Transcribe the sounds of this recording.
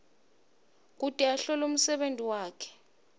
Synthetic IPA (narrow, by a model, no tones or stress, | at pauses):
k̬utʼiaɬɔlum̩sɛɓentʼiwaːkʰɛ̥